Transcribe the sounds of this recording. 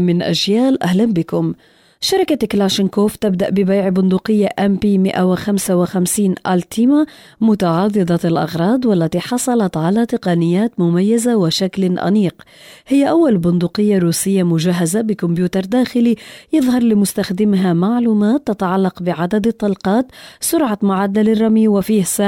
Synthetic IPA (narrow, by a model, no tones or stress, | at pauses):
mɪnʔa̰ʒjaːlʔahlanbɪkʊm | ʃɑɾˤɪkaklaʃɪnkoːft̪ɪb̚d̪aʔbɪbajʕbʊnd̪uːqɪjːaʔɛmpiːmɪ̰ʔawɪxamsawɪxamsiːnʔalt̪ʰima | mʊt̪ɑʕɑdˤːɨd̪ˤɑɪlʔɑ̰ɣɾˤɑːd̪ˤwalːat̪iħɑsˤɑlɑt̪ʕalat̪ɪqɑnɪjːaːt̪mʊmajːazawɪʃaklʔa̰niːq | hɪjːaʔawːalbʊnd̪uːqɪjːaɾuːsɪjːamʊʒaɦːazabɪkʊmbjuːt̪ɑɾˤd̪aːxɪlijɨðˤhɑɾˤlɪmʊst̪axd̪ɪmɦamaʕluːmaːt̪ːat̪aʕalːɑqbɪʕad̪ad̪ɪt̪ˤːɑlqɑːt̪sʊɾʕamʊʕad̪ːalɪrˤːɑmjiwɪfiːhsa